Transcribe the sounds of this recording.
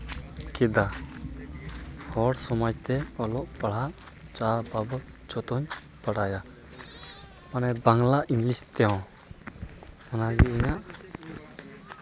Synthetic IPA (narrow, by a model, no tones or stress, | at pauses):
kid̪a | hɔɽsɔmɔjt̪ɛɔlɔʔpaɽ̤aʔ | t͡ʃababɔ | t͡ʃɔt̪ɔɲ | paɽaja | manɛbaŋlaʔiŋlist̪ɛɔ̃ | ɔnaɡiiɲaʔ